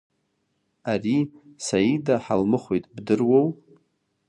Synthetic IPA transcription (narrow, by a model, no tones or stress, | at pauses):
arisaidaħalmɨχʷojtʼbdɨrwow